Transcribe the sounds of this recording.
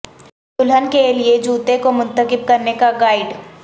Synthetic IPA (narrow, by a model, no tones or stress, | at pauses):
tʊlɦənkelied͡ʒuːt̪ekomʊ̃nt̪əkɪb̚kɐɾnekaɡaːɪɖ